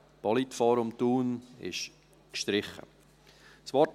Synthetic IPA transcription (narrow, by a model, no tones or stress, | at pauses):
b̥ɑlitfɑːɾʊmt̪uːnɪ̰ʃ | kʃtɾɪχə̰ | svɔt